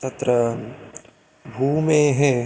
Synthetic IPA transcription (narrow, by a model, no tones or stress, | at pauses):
t̪ɐt̪ɾə | bʱuːmẽɦɛ̃